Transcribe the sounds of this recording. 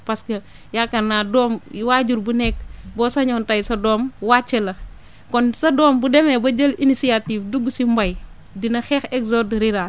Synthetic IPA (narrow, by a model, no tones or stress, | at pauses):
pɐskɐ | jakɐnaːdɔːmwaːɟuɾbunɛkbɔsɐɲɔːntɐjsɐdɔːmwaːt͡ʃːɐlɐ | kɔnsɐdɔːmbudɛmɛbɐd͡ʒɐlinisiatiːfduɡusimbɐj | dinɐxɛxɛɡzɔdɾiɾa